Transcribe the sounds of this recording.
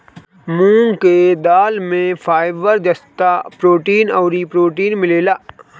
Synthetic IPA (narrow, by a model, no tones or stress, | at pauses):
mũːŋɡked̪aːlmẽfʰaːɪʋəɾd͡ʒɐst̪apɾoːʈiːnɔːɾipɾoːʈiːnmɪleːlaː